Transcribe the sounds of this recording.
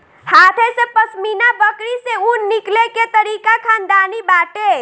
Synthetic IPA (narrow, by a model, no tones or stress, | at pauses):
hat̪ʰesẽpəsminabəkɾiseunikleket̪əɾikakʰand̪anibaʈe